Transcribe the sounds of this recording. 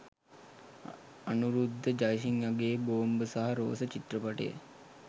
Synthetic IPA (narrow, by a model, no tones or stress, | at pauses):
anuɾud̪ʱːəd͡ʒajʃ̬iŋjaɡeːboːmbəsaɦaɾo̰ːsət͡ʃit̪rəpaʈḛjə̰